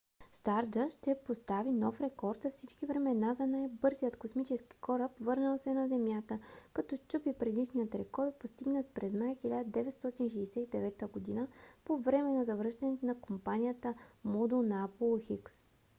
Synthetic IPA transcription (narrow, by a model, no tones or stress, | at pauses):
st̪aɾd̪əʃt̪ɛpost̪avinɔfɾɛkɔɾt̪zɐfsit͡ʃkivɾɛmɛnazɐnajbɤɾzijət̪kosmit͡ʃɛski̥kɔɾəpvɤɾnəlˠsɛnɐzɛmjat̪əkɐt̪ɔt͡ʃupipɾɛd̪iʃnijət̪ɾɛkɔɾt̪̚post̪iɡnət̪̚pɾɛzmajxilʲad̪əd̪ɛvɛt̪st̪ɔt̪inʃ̬ɛjsɛt̪id̪ɛvɛt̪əɡod̪inəpovɾɛmɛnɐzɐvɾɤʃt̪ɐnɛt̪ʊnɐkompanijət̪əmɔd̪unaapulˠxiks